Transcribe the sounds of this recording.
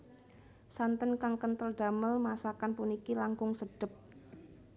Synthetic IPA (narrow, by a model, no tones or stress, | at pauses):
sant̪ənkaŋkənt̪əlɖ̥a̤məlmasakanpunikilaŋkʊŋsəɖ̥ə̤p̚